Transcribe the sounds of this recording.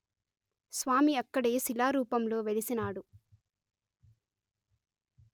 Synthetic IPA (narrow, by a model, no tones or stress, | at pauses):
sʋaːmiɐkːɐɽe̞ːsilaːɾuːpɐmlo̞ːʋelisinaːɽu